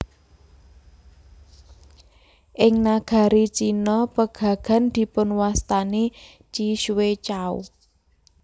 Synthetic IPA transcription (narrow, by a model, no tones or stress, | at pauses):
ʔɪŋnaɡ̥a̤ɾit͡ʃinɔpəɡ̥a̤ɡ̥a̤nd̪̥i̤pʊnwast̪ane | t͡ʃiʃwet͡ʃaṵ